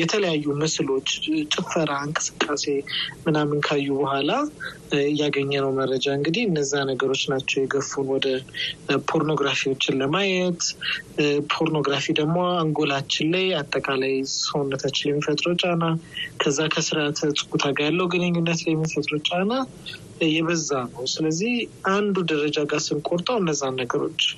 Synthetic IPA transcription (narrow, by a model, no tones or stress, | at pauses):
jɛt̪ʰələjajːumɨslo̞t͡ʃːt͡ʃʼɪfəɾaɨŋkʼɨ̥sɨ̥kʼːase̞mɨnamːɨnkʰajːubəhʷala | jːaɡəɲːɛnəwmərːəd͡ʒaɨŋɡɨd̪iɨnːəzːanəɡəɾo̞t͡ʃːnat͡ʃːɛwjɛɡəfːunwɔd̪əpʰo̞ɾno̞ɡɾafiwo̞t͡ʃːɪnləmajɛt̪ | pʰo̞ɾno̞ɡɾafid̪əɡmoaŋɡo̞lat͡ʃːɪnlajat̪ʼːəkʼalajsonːət̪ʰat͡ʃːɪljɛmːifət̪ʼɾəwt͡ʃʼanakʰəzːakʰəsɨɾat̪ʰət͡sʼkʼut̪ʰaɡajalːəwɡɨnɨɲːunːət̪lɛmːifət̪ʼɾot͡ʃʼana | jɛβəzːanəwsɨləzːihʔand̪ud̪əɾəd͡ʒaɡasɨnkʼoɾt̪ʼəwɨnːəzːanːəɡəɾo̞̰t͡ʃː